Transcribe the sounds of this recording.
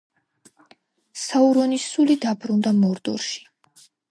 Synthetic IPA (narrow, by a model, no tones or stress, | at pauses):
sauɾɔnisulid̪abɾund̪amɔɾd̪ʼṵɾʃi̥